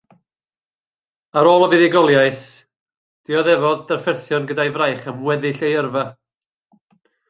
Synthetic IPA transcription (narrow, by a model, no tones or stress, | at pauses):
aɾoːlˠəbiðɪɡɔlˠjaɨθ | d̥iɔðɛvɔðdɛrfɛrθjɔnɡədajvrajχəmwɛðɪɬejərva